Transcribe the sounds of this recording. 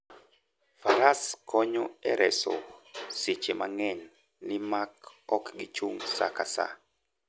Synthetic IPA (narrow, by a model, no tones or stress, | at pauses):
faɾaskʰɔɲoɛɾʔɛso̰sit͡ʃemaŋɛn | lɪmakɔkɡɪt͡ʃuŋsa̰kasa̰